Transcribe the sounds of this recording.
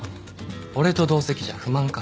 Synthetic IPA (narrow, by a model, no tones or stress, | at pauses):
o̞ɾe̞t̪o̞d̪o̞ːse̞kʲiʑa̰ɸɯ̟mãŋka